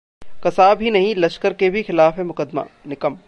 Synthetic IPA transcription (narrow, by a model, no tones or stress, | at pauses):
kɐsaːbʱinɐɦĩlɐʃkəɾkebʱixɪlaːfɦemʊkəd̪ma̰ːnɪkəm